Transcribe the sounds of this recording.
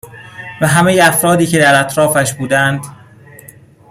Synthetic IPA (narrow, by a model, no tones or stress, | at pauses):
væɦæme̞jeæfɾɒːd̪iːcʰe̞d̪æɾæt̪ʰɾɒːfæʃbuːd̪ænd̪̥